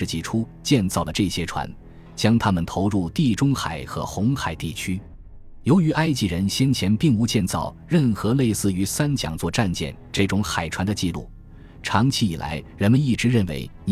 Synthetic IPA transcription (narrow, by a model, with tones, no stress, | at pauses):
ɻ̩˥˩t͡ɕi˧˩ʈ͡ʂʰu˥ | t͡ɕjɛ˥˧nt͡sɑ˥˩ʊlə˩ʈ͡ʂɤ˥˩ɕjɛ˥ʈ͡ʂʰwa̰˧˥n | t͡ɕjɑ˥ŋt̪ʰa˥mə˨nt̪ʰo˧˥ʊɻu˥˧t̪i˥˩ʈ͡ʂʊ˥ŋxa̰˨˩ɪxɤ̰˧˥xʊ˧˥ŋxa˨˩ɪt̪i˥˩t͡ɕʰy˥ | jo˧˥ʊy˧˥ʔa˥ɪt͡ɕi˥˩ɻə˧˥nɕjɛ˥nt͡ɕʰjɛ˧˥npi˥˩ŋu˧˥t͡ɕjɛ˥˧nt͡sɑ˥˩ʊɻə˥˩nxɤ˧˥le˥˧ɪsɹ̩˥˩y˧˥sa˥nt͡ɕjɑ̰˨˩ŋt͡swɔ˥˧ʈ͡ʂa˥˧nt͡ɕjɛ̰˥˩nʈ͡ʂɤ˥˩ʈ͡ʂʊ˧˥ŋxa˨˩ɪʈ͡ʂʰwa˧˥nd̪ə˧t͡ɕi˥˧lṵ˥˩ | ʈ͡ʂʰɑ˧˥ŋt͡ɕʰi˥i˨˩lʔa̰˧˥ɪɻə˧˥nmə˧ni˥˩ʈ͡ʂɻ̩˧˥ɻə˥˩nwḛ˧˥ɪ